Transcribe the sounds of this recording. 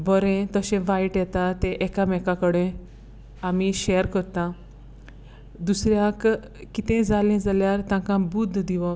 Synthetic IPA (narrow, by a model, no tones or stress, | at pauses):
bəɾẽt̪əɕẽʋaiʈjɛt̪at̪ẽʔɛkamɛkakəɽẽ | amiɕeəɾkəɾt̪ã | d̪usɾjak | kit̪ẽd͡zalẽd͡zaljaɾt̪ãkãbud̪ʱːd̪iʋɔ